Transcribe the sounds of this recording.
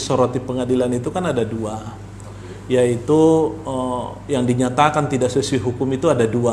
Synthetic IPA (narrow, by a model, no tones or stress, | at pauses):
soɾot̪ipəŋadilanit̪ukanadadua | jait̪uəjaŋdiɲat̪akant̪idaʔsəsiɦukʊmit̪uadadua